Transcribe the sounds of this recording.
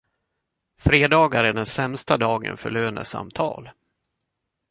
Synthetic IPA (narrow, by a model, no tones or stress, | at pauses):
fɾeːd̪ɑːɡaɾæɖɛnsɛmst̪ad̪ɑːɡə̰nfœɭøːnəsa̰mt̪ʰɑ̰ːl